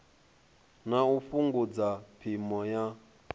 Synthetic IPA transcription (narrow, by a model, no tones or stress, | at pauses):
naufuŋɡud͡zapʰimɔja